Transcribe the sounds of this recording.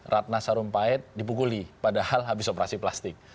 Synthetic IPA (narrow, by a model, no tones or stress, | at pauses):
rʔat̪̚nasaɾʊmpaɛt̪̚dipukulipadahalɦabisopɾasiplast̪ɪk̚